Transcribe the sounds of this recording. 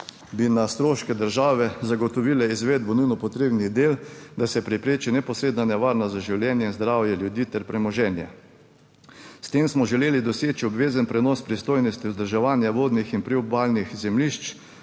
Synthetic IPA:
binast̪ɾoːʃkɛd̪əɾʒaːʋɛzaɡɔt̪ɔʋilɛizʋeːd̪bɔnujnɔpɔt̪ɾeːbniɣd̪eːld̪asɛpɾɛpɾeːt͡ʃinɛpɔsɾeːd̪nanɛʋaɾnazaʒiwljɛnjɛinzd̪ɾaːwjɛljud̪iːt̪ɛɾpɾɛmɔʒɛnjɛ | st̪eːmsmɔʒɛleːlid̪ɔseːt͡ʃiɔbʋeːzənpɾɛnɔspɾist̪oːjnɔst̪iʊzd̪əɾʒaʋaːnjaʋoːd̪nixinpɾɛubalnixzɛmliʃt͡ʃ

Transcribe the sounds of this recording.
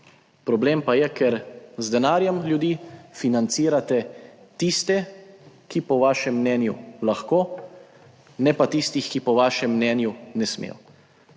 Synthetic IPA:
pɾɔbleːmpajɛkɛɾzd̪ɛnaːɾjɛmljud̪iːfinant̪siːɾat̪ɛ | t̪ist̪ɛkipɔʋaːʃɛmːnɛːnjṵlaxkoː | nɛpat̪ist̪ixkipɔʋaːʃɛmːnɛːnjunɛsmḛːw

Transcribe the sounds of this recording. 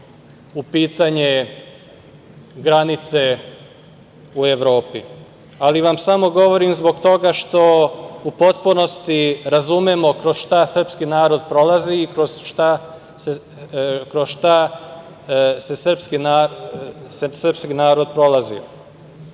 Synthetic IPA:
upiːt̪aɲe | ɡɾanit̪se | ue̞ʋɾo̞ːpi | aliʋamsamo̞ɡo̞ʋo̞ɾimzbo̞ɡt̪o̞ɡaʃt̪o̞upo̞t̪puno̞st̪iɾazumemo̞kɾo̞zʃt̪asr̩pskinaːɾo̞d̪pɾo̞laziːkɾoz̥ʃt̪a | se | kɾozʃt̪a | se̞sr̩pskinaː | ssr̩pskinaːɾo̞d̪̚pɾo̞lazḭ

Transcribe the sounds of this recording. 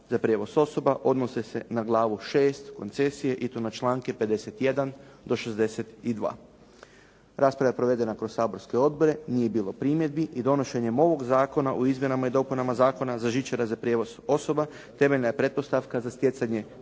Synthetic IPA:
zapɾʲjeːʋo̞so̞so̞baʔo̞d̪nosese̞naɡlˠaːʋuʃe̞ːst̪ko̞̰nt̪se̞sije̞ʔit̪onat͡ʃlˠaːŋke̞pe̞d̪e̞se̞t̪jed̪and̪o̞ʃezd̪e̞set̪id̪ʋa̰ː | ɾaːspɾaʋapɾo̞ʋe̞d̪e̞nakɾo̞saːbo̞ɾskoo̞d̪̚bo̞ɾe̞nije̞biːlo̞pɾiːmje̞d̪̚biʔid̪o̞no̞ʃe̞ɲemo̞ʋo̞ɡzaːko̞naʔuizmje̞namaid̪o̞punamazaːko̞nazaʒit͡ʃaɾazapɾjeʋo̞zo̞so̞ba | t̪e̞me̞ʎnajepɾe̞t̪po̞st̪aʋkazast̪je̞t̪saɲe̞

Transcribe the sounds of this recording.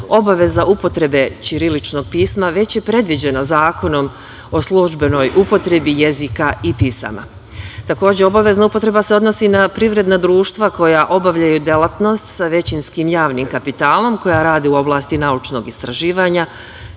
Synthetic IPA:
o̞baʋe̞zaʔupo̞t̪ɾe̞be̞t͡ɕiɾilit͡ʃno̞ɡ̚piːsmaʋe̞t͡ɕje̞pɾe̞d̪ʋid͡ʑe̞nazaːko̞no̞m | o̞slˠuʒbe̞no̞jʔupo̞t̪ɾe̞bije̞zikaipisa̰ma̰ | t̪ako̞ːd͡ʑeobaʋe̞znaupo̞t̪ɾe̞baseod̪no̞sinapɾiʋɾe̞d̪nad̪ɾuːʃt̪ʋako̞jaʔo̞baʋʎajud̪elˠat̪no̞st̪saʋe̞t͡ɕinskiːmjaːʋniːmkapit̪aːlˠo̞mko̞jaɾaːd̪iuo̞blˠaːst̪inaut͡ʃno̞ɡist̪ɾaʒiːʋaːɲa

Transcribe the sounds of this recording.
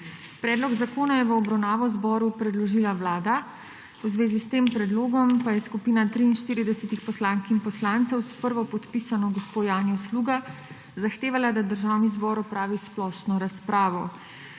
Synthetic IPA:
pɾɛːd̪lɔɡzakoːnajɛʋəɔbɾawnaːʋɔzbɔɾupɾɛd̪lɔʒilaʋlaːd̪a | wzʋeːzist̪empɾɛd̪loːɡɔmpajɛskupiːnat̪ɾiːnʃt̪iːɾid̪ɛsɛt̪ixpɔslaŋkinpɔslaːnt̪sɛwspəɾʋɔpɔt̪pisanɔɡɔspojaːnjɔwsluːɡa | zaxt̪eːʋalad̪ad̪əɾʒawnizbɔːɾɔpɾaːʋisplɔʃnɔɾaspɾaːʋɔ

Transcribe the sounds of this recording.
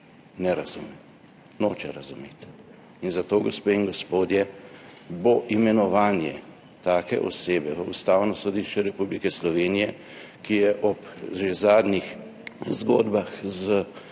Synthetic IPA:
nɛɾazumɛ | noːt͡ʃɛɾazumet̪ | inzat̪oːɡɔspeiŋɡɔspoːd̪jɛ | boʔimɛnɔʋaːnjɛ | t̪aːkɛ̰ʔɔ̰seːbɛʋəust̪aːwnɔsɔd̪iʃt͡ʃɛɾɛpublikɛslɔʋeːnijɛ | kijɛʔɔpʒezaːd̪nix | zɡo̰ːd̪baxzə

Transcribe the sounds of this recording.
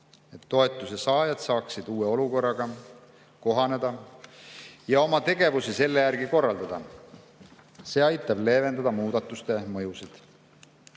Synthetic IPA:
e̞t̪ːo̞e̞t̪ːˑusesɑːjɑd̪̥sɑːksid̪̥uːe̞o̞luko̞rːɑɡ̥ɑ | ko̞ɦɑne̞d̪ɑ | jɑo̞mɑt̪e̞ɡ̥e̞vusise̞lːejærɡiko̞rːɑld̪̥ɑd̪̥ɑ | se̞ːɑjt̪ːˑɑb̥le̞ːve̞nd̪ɑd̪ɑmuːd̪̥ɑt̪ːˑust̪e̞mɤjusid̪̥

